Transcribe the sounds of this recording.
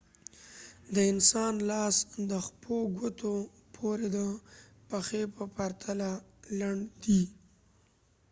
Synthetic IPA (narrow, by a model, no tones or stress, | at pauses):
d̪əɪnsɑnlɑsd̪əxpʰoɡət̪ʰo | pʰoɾed̪ə | paxepəpaɾt̪ʰalalaɳd̪i